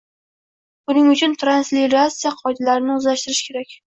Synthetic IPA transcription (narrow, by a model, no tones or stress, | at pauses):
bʊnɪŋʊt͡ʃʰʊnt̪ʰɾansliɾasijaqʰɒjd̪alaɾɪnɪʊzlaʃt̪ɪɾɪʃkʲʰe̞ɾakʲ